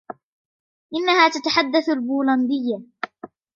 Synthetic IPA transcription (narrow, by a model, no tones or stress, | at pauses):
ʔɪnːahaːt̪at̪aħad̪ːaθalbuːland̪ɪjːa